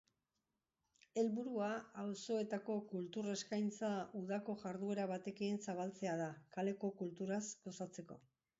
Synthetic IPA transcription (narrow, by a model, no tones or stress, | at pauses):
e̞lβuɾuaawso̞et̪ako̞kult̪ure̞skajnt͡sauðako̞ʝaɾðue̞ɾaβ̞at̪e̞keːnsaβ̞alt͡se̞að̞akale̞ko̞kult̪uɾasɡo̞sat͡se̞ko̞̰